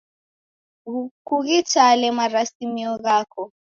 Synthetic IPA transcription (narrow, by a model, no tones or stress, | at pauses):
ɣukuɣit͡ʃalɛmaɾasimiɔɣakʰɔ